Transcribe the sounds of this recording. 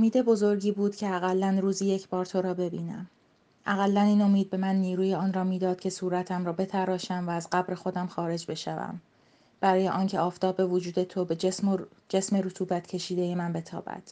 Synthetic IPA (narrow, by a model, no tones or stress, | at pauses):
omiːd̪e̞bo̞zo̞ɾɟiːbuːd̪̥cʰe̞æɣælːænruːziːje̞cʰbɒːɾt̪ʰo̞ɾɒːbe̞biːnæ̰m | ʔæɣælːæniːno̞miːd̪̚be̞mænːiːɾuːjeɒːnrɒːmiːd̪ɒːd̪̥̚cʰʲe̞suːɾæt̪ʰæmɾɒːbe̞t̪ʰæɾɒːʃæmvæːzɢæbɾe̞xo̞d̪æmxɒːɾe̞d͡ʒbe̞ʃævæ̰m | b̥æɾɒːje̞ʔɒːncʰeʔɒːft̪ʰɒːbe̞vod͡ʒuːd̪e̞t̪ʰo̞be | d͡ʒe̞sme̞ɾut̪ʰuːbæt̪cʰe̞ʃiːd̪ejemænbe̞t̪ʰɒ̰ːbæ̰d̪̥